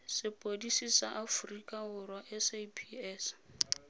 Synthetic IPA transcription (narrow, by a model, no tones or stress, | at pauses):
sɪpʼodisisaʔafrikʼaɦʊrwaʔɛsepʰiɛs